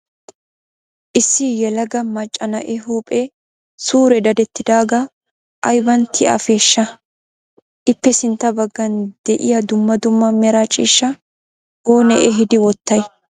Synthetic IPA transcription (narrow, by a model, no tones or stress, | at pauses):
ʔɪsːɪjɛlɐɡɐmɐt͡ʃʼːɐnɐʔɛɦuːpʼɛ | suːɾɛd̪ɐd̪ɛt̪ːɪd̪aːɡɐ | ʔɐjbɐnt̪ʰːɪʔɐ̰fe̞ːʃːɐ | ʔɪpːɛsɪnt̪ːɐbɐɡːɐnd̪̥ɛʔɪjɐd̪ʊmːɐd̪ʊmːɐmɛɾat͡ʃʼiːʃːɐ | oːnɛʔɛɦɪd̪ɪwɔt̪ːɐj